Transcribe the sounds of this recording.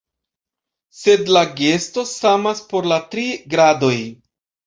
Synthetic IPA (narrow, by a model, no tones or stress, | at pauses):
se̞dlaɡe̞sto̞samaspo̞ɾlatɾiɡɾado̞j